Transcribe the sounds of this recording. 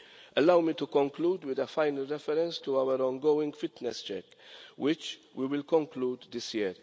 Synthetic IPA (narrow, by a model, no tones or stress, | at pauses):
ɛlɐwmit̪ukɔ̃ŋkluːd̪wɪd̪ɛfaɪnəlɾɛfɛɾɛ̃nst̪uɐwəɾɔ̃nɡowɪ̃ŋɡfɪt̪nɛst͡ʃɛ̰k | wʔɪt͡ʃwiwɪlkɔ̃ŋkluːd̪ːɪsjɛːɾ